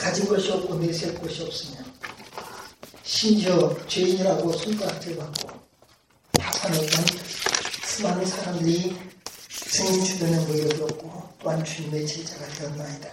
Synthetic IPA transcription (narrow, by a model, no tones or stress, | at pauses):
kad͡ʑinbʌɭɕiʌp̚k͈oneset̚k͈ʌɕʰiʌp̚s͈ɯmo | ɕʰind͡ʑʌt͡ɕweiɲiɾaɡosʰuŋk͈aak̚t͈eɭbak̚k͈o̰ | asʰanenɯn | sʰɯmanɯnsʰaɾamdɯɾi | sɯŋint͡ɕʰuɡʌnɯnmɯiɾʌɡiʌp̚k͈ot͈oɦant͡ɕumet͡ɕʰet͡ɕ͈aɡatejʌtnaɲida